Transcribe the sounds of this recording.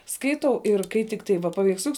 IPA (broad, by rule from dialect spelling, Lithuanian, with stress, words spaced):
ˈskɐɪtɐʊ ɪr kɐɪ ˈtʲɪkˌtɐɪ ʋɐ pɐʋʲɛɪksʲˈlʲʊks